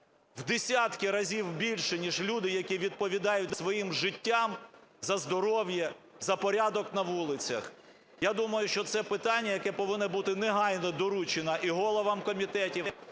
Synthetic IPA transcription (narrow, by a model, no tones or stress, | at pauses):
wd̪esʲat̪kɪɾɐzʲiwbʲilʲʃɛnʲiʒlʲud̪ɪjɐkʲiʋʲid̪̚pɔʋʲid̪ɑjʊt̚ʲsʋɔjimʒɪtʲːamzɐzd̪ɔɾɔwjɛ | zɐpɔɾʲad̪ɔknɐʋulˠɪt͡sʲɐ̰x | jad̪umɐjʊʃt͡ʃɔt̪sɛpɪt̪ɑnʲːɐjɐkɛpɔʋɪnːɛbut̪ɪneɦɑjnɔd̪ɔɾut͡ʃenɐʔiɦɔlˠɔʋɐmkɔmʲit̪ɛtʲi